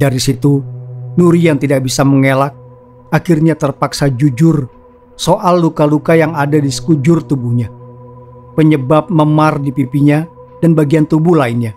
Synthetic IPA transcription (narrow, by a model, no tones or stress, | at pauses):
daɾisit̪unuɾijaŋt̪idak̚bisaməŋelak̚ | akirɲat̪ərpaksad͡ʒud͡ʒʊr | soʔalːukalukajaŋadadisə̥kud͡ʒʊrt̪ubuhɲa | pəɲəbap̚məmardipipiɲa | danbaɡiant̪ubuhlainɲa